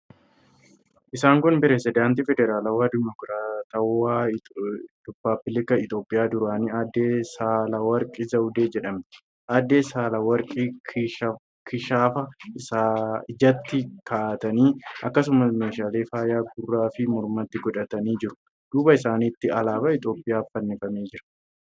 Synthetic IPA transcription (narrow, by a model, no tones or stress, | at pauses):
ʔɪsaːŋkʊnpɪɾɛsɪd̪aːnt̪iːfɛd̪ɛɾaːlɐwaːd̪ɪmɔkɾaːt̪ɐwaː | d̪ʊbːaːbɪlɪkɐɪt̪o̞ːpʼːɪjaːd̪ʊɾaːniaːd̪ːeːsaːlɐwɐɾkʼɪzɐwʊd̪eːd͡ʒɛᶑɐm | ʔaːd̪ːeːsaːlɐwɐɾkʼi | kʰɪʃaːfɐɪsaːɪd͡ʒɐt̪ːɪkʰaːt̪ɐniːɐ̰kːɐs̬ʊmɐsmeːʃaːleːfaːjaːɡʊrːaːfɪmɔɾmɐt̪ːɪɡɔᶑɐt̪ɐniːd͡ʒɪɾʊ̥ | d̪̥uːbɐɪsaːniːt̪ːɪɐlaːbɐɪt̪o̞ːpʼːɪjaːfɐnːɪfɐmeːd͡ʒɪɾɐ̥